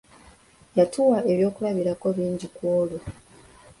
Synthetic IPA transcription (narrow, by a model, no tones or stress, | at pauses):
jatuwae̞βjo̞ːkulaβiɾako̞βiːɲɟikwoːlo